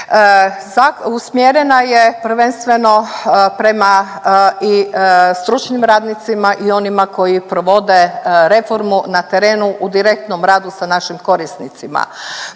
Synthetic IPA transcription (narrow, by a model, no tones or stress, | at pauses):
zausmjeɾe̞naje̞pɾ̩ʋenst̪ʋe̞no̞pɾe̞ma | ist̪ɾut͡ʃnimɾaːd̪nit̪simaʔio̞nimako̞jipɾo̞ʋo̞d̪e̞ɾe̞fo̞ɾmunat̪e̞ɾe̞ːnuʔud̪iɾe̞k̚t̪no̞mɾaːd̪usanaʃimko̞ɾisnit̪sima̰